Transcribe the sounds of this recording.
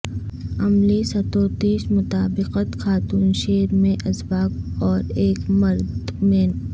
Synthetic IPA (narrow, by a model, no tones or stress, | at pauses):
ɐmlisɐt̪oːt̪iːʃmʊt̪aːbɪqət̪xaːt̪uːnʃeːɾmẽʔɐsbaːk̚ɔːɾeːkmɐɾd̪mẽ